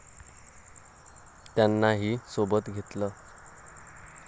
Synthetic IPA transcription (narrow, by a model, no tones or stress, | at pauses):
t̪janːaɦiːsobət̪ɡʱet̪lə